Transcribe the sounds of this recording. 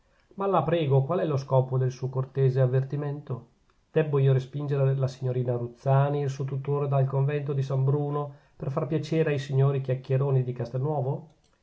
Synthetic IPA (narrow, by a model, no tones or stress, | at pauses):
malːapɾɛːɡokwalɛloskɔːpod̪elsuːokort̪eːzeavːert̪iment̪o | d̪̥ɛbːoiːoɾespind͡ʒeɾelasiɲːoɾiːnaɾut̪sːaːniːlsuːot̪ut̪ːoːɾed̪alkoɱvɛnt̪̬od̪isambɾuːno | perfarpjat͡ʃeːɾeajsiɲːoːɾikjakːjeɾoːnid̪ikast̪enːwɔːvo